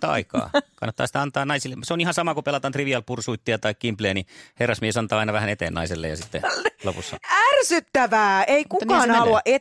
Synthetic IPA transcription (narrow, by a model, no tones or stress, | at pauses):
t̪ːɑ̰ɑ̰ikɑ̰ːkɑ̰nːɑt̪ːɑ̰ːsi̥t̪æɑnt̪ɑːnɑisilːeseonihɑnsɑmɑkupelɑt̪ɑnt̪riʋiɑlpursuit̪ːiɑt̪ɑikkimpleːniherːɑsmiesɑnt̪ɑːɑinɑʋæhænet̪ḛːnnɑ̰iselːḛjɑ̰sit̪ːḛlopusːɑ̰ærsyt̪ːæʋæːeikukɑːnɑluɑʔe